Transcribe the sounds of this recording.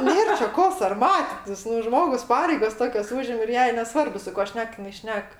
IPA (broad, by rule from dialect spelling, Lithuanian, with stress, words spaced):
ˈnʲeːr t͡ʃʲɛ ˈkoː sɐrˈmɑːtʲɪtʲɪs nʊ ˈʒmoːɡʊs ˈpɑːrʲɛɪɡɐs ˈtoːkʲɛs ˈuːʒʲɪm ɪr ˈjɛɪ nʲɛˈsʋɐrbʊ sʊ ˈkuɔ ˈʃʲnʲɛk jɪˈnɐɪ ˈʃʲnʲɛk